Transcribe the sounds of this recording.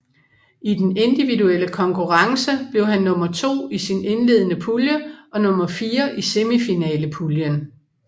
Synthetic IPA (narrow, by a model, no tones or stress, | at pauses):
id̥ene̝nd̥iʋiduel̰əkʰɒ̽ŋkʰuʁɑ̈ŋsəb̥le̝ʊɦænːɔ̽mɐt͡sʰo̝̰ːisine̝nle̝ːð̞̰ˠənəpʰuljəʔɒ̽nɔ̽mɐfiːɐʔise̝mifinɛ̰ːləpʰuljən